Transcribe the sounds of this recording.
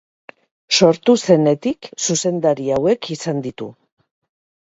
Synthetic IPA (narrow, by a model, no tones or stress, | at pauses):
so̞ɾt̪use̞ne̞t̪iksuse̞nd̪aɾiawe̞kʰisand̪it̪ṵ